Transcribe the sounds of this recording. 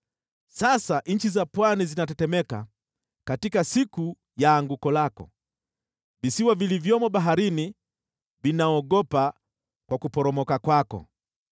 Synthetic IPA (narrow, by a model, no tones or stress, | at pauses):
sasaʔɲ̩t͡ʃizapwanizinatɛtɛmɛka | katikasiku | jaːŋɡukɔlakɔ̰ | visiwavilivjɔmɔɓaɦaɾini | vinaɔɡɔpa | kwakupɔɾɔmɔkakwakɔ̰